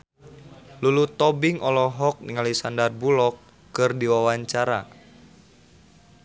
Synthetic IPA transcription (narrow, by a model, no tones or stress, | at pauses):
lulut̪ɔbɪŋʔɔlɔɦɔk̚niŋalisandarbulɔkː | ɨrdiwawaɲt͡ʃaɾa